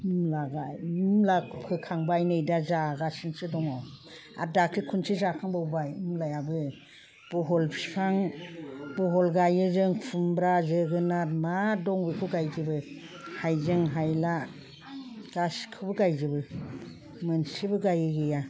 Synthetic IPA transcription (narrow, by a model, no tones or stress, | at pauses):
ɯmlaɡajmlapʰɯkʰaŋbajnɯjdazaɡasinsɯdɔŋɔ | a̰dakʰɾikʰunsizakʰaŋbawbajɯmlajabɯ | b̥uɦɔlpʰi̥spʰaŋ | bɔɦɔlɡajɯzɯŋpʰumbɾazɯɡɯnaɾmadɔŋbikʰuɡajzibɯ | hajzɯŋɦajla | ɡ̥askʰɯbɯɡajzibɯ | mɯnsibɯɡajɯɡɯja